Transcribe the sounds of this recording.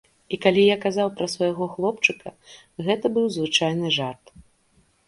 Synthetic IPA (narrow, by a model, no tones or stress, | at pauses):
ikalʲijakazawpɾɐsvɐjaɣɔxlˠɔpt͡ʂɨkɐ | ɣɛt̪ɐbɨwzvɨt͡ʂajnɨʐart̪